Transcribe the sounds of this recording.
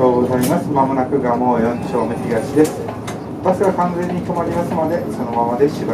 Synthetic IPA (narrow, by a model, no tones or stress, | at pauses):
oːɡo̞zaimasɨmamonakɯ̟ɡamo̞ːjõɲt͡ɕoːmesiɡaɕid̪e̞sɨ̥ | at̪asɨβakãnd͡zẽ̞ɲ̟ːik̪omaɾʲimasɨmad̪e̞so̞no̞mamad̪e̞ɕiba